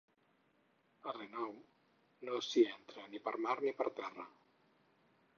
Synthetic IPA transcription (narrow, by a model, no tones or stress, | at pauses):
ərenɔw | nosiɛnt̪ɾənipəɾmaɾnipəɾt̪ɛrə̰